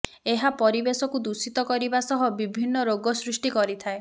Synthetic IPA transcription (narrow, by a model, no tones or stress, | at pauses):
eɦapɔɾibesɔkud̪usit̪ɔkɔɾibasɔɦɔbibʱinːɔɾoɡɔsɾusʈikɔɾit̪ʰae